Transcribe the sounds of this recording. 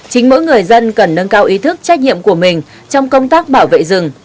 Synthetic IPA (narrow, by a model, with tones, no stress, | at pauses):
t͡ɕï˨˦ŋ̟mo̰˧˥jŋɨ˨˩əjzə˧nkə˨˩nːə˧nkaː˧wʔi˨˦t̪ʰɨ˦˥k̚t͡ɕa˦˥k̟̚ɲḭ˧˨əmku˧˩əmï˨˩ŋ̟ | t͡ɕɔ˧wŋ͡mkə˧wŋ͡mt̪aː˦˥k̚ɓaː˧˩wvḛ˧˨zɨ˨˩ŋ